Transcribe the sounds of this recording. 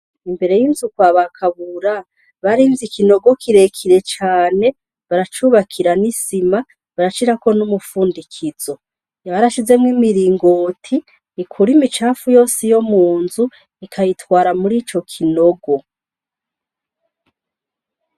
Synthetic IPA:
imbe̞ɾe̞jinzukwaːβakʰaβuɾa | βaɾiːnzikino̞ɡo̞kʰiɾe̞kʰiɾe̞t͡ʃaːne̞ | βaɾat͡ʃuβakʰiɾanisima | βaɾat͡ʃiɾako̞numufuːndikʰiz̥o̞ | jaβaɾaʃize̞mŋimiɾiːŋɡo̞ːtʰiː | kʰuɾimit͡ʃaːfujo̞ːsijo̞muːnzu | ikʰajitwaːɾamuɾiːt͡ʃo̞kʰinoɡo̞

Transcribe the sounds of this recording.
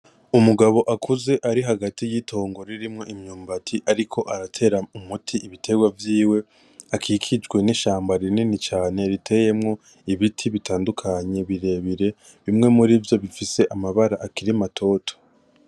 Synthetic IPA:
umuɡaβo̞ʔakʰuze̞ʔaɾiɦaɡatijitʰo̞ːŋɡo̞ɾiɾimŋo̞ʔimɲuːmbatʰiʔaɾikʰo̞ʔaɾatʰe̞ːɾaumutʰiʔiβitʰe̞ɡwavjiːwe̞ | akʰiːkʰid͡ʒɡwe̞niʃaːmbaɾininit͡ʃaːne̞ɾitʰe̞je̞mŋo̞ | iβitʰiβitʰaːndukʰaɲe̞βiɾe̞βiɾe̞ | βimŋe̞muɾivjo̞βifise̞ʔamaβaɾaʔːkiɾimatʰo̞tʰo̥

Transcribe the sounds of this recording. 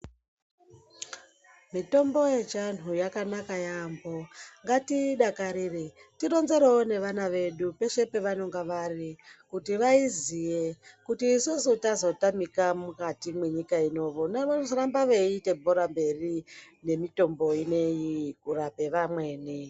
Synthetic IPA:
mito̞mbo̞je̞t͡ʃan̤ujakanakajambo̞ŋɡatiɗakaɾiretiro̞nze̞ɾeone̞ʋanaʋe̞ɗupe̞ʃe̞pe̞ʋano̞ŋɡaʋarikutiʋaizijekutiːsusutazo̞tamikamukatimwe̞ɲikaino̞ʋonarambaʋeite̞bʱoɾambe̞ri | ne̞mito̞mbo̞ine̞jikurape̞ʋamwe̞ːni

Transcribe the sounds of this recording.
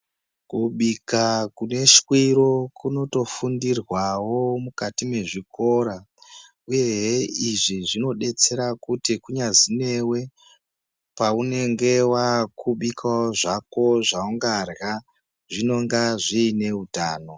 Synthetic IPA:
kuɓikakune̞ʃwiɾo̞kuno̞to̞fundirwawo̞mukatime̞ʐiko̞ɾa | uje̞ɦiʐiʐino̞ɗe̞t͡se̞ɾakutikuɲazine̞we̞ | paune̞ŋɡe̞wakuɓikaoʐako̞ʐauŋɡarɣa | ʐino̞ŋɡaʐiːne̞utaːno̞

